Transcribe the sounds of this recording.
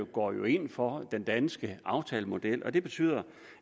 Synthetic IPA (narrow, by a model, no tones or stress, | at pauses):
ɡ̥ɒ̰ːjo̝e̝n̰fɒ̽d̥end̥ænsɡ̥əɑ̈ʊt͡sʰɛ̰ːləmo̝d̥el̰ʔɒ̽d̥e̝b̥e̝t͡sʰy̰ːð̰ˠɐ